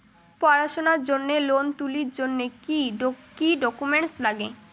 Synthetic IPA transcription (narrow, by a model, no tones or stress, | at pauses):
pɔɾaʃonaɾd͡ʑonːelont̪uliɾd͡ʑonːekikiɖɔkumeɳʈslaɡe